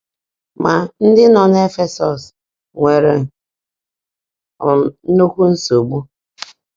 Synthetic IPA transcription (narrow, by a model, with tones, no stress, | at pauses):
ma˨n̩˦dɪ˦nɔ˨n˦e˦fe˦sɔ˨s | ŋʷe˨ɾe˨ | no˦kʷu˦n̩˦so˨ɡ͡bu˦